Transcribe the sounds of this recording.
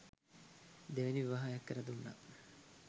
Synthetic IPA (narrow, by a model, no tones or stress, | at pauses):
d̪eʋeniʋiʋaːɦajakːəɾɐd̪unːa̰